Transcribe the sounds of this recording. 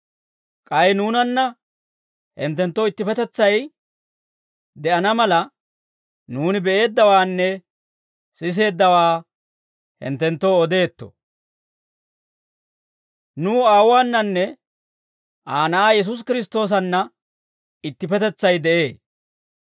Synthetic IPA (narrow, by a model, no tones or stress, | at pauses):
kʼɐjnuːnɐnːɐ | hɪnt̪ːɛnt̪ːoːɪt̪ːɪpɛt̪ɛt͡sːɐj | d̪ɛʔɐnɐmɐlɐ | nuːnɪbɛʔe̞ːd̪ːɐwaːnːɛ | sɪs̬e̞ːd̪ːɐwaː | hɪ̰nt̪ːɛnt̪ːoːɔd̪e̞ːt̪ːɔ̰ | nuːaːwwaːnːɐnːɛ | aːnɐʔaːjɛs̬ʊs̬kɪɾɪs̬t̪o̞ːs̬ɐnːɐ | ɪt̪ːɪpɛt̪ɛt͡sːɐjd̪ɛʔe̞ː